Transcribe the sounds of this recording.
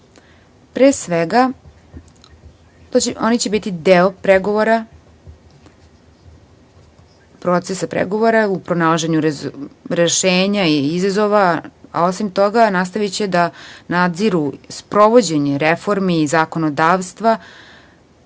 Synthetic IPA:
pɾeːsʋeɡa | t̪oo̞nit͡ɕebit̪id̪eopɾeɡoʋoɾa | pɾo̞t̪sesapɾḛɡo̞ʋo̞ɾaupɾonalˠaʒe̞ɲuɾɾeʃeːɲaiizazo̞ʋaa̰o̞simt̪o̞ɡanas̬t̪aʋit͡ɕed̪anad̪ziɾuspɾo̞ʋo̞d͡ʑe̞ɲeɾefo̞ɾmiːzako̞nod̪aːʋst̪ʋa

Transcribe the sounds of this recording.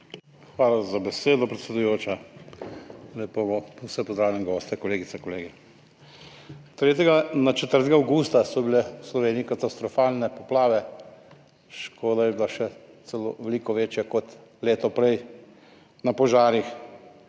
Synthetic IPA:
xʋaːlazabɛseːd̪ɔpɾɛt̪sɛd̪ujoːt͡ʃa | lɛpowsɛpɔzd̪ɾaːwlʲjamɡɔːst̪ɛkɔleːɡit̪sɛkɔleːɡi | t̪ɾeːt̪ɛɡanat͡ʃɛt̪əɾt̪ɛɡaːwɡuːst̪asɔbilɛwslɔʋeːniikat̪ast̪ɾɔfaːlnɛpɔplaːʋɛ | ʃkʰoːd̪ajɛbilaʃɛ | t̪sɛlo̰ːʋɛlikɔʋeːt͡ʃjakɔt̪leːt̪ɔpɾɛj | napɔʒaːɾix

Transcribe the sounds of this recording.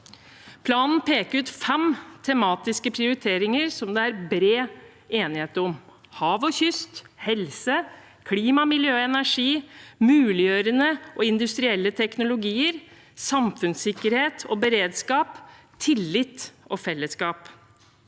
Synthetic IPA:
pʰlɑːnn̩pʰeːkəɾʉːt̪fɛmt̪ʰɛmɑːt̪ɪskəpʰɾɪʊɾɪt̪ʰeːɾɪŋəɾsɔmd̪ɛæɾbɾeː | eːnɪheːt̪əɾɔm | hɑːʋɔçʏst̪ | hɛlsə | kʰliːmɑmɪljøːɛnæʂiːmʉːlɪjøːɾənəʔɔɪnd̪ʉst̪ɾɪɛlːət̪ʰɛknʊlʊɡiːəɾ | sɑmfʉnsɪkːəɾheːt̪ʰɔbəɾeːd̪skɑːp | t̪ʰɪlːɪt̪ʔɔfɛlːəskɑːp

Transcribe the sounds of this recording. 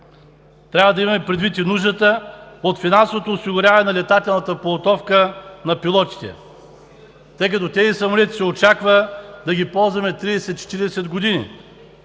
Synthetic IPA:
t̪ɾʲavɐd̪ɐimɐmɛpɾɛd̪vit̪inuʒd̪ət̪əot̪finansovot̪oːsiɡʊɾʲavɐnɛnɐlɛt̪at̪ɛlˠnɐt̪əpolˠot̪ɔfkənɐpilˠɔt̪i̥t̪ɛ̰ | t̪ɤjk̬ɐt̪ɔt̪ʲɛzisɐmolɛt̪i̥sɛot͡ʃakvəd̪ɐɡʲipɔlˠzvɐmɛt̪ɾid̪ɛsɛt̪t͡ʃɛ̥t̪iɾiɛsɛd̪ɡod̪inḭ

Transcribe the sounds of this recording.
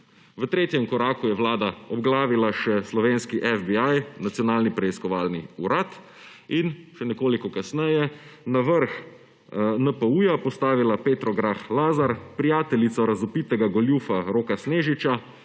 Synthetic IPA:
ʋət̪ɾeːt̪jɛmkɔɾaːkujɛʋlaːd̪aɔbɡlaːʋilaʃɛslɔʋeːnskiʔɛfbiajnat̪sjɔnaːlnipɾɛiskɔʋaːlniuɾat̪ | inʃɛnɛkoːlikɔkasnɛjɛnaʋəɾx | nəpəujapɔst̪aːʋilapeːt̪ɾɔɡɾaxlaːzaɾpɾijaːt̪ɛlit̪sɔɾazɔpit̪ɛɡaɡɔljufaɾoːkasneːʒit͡ʃa

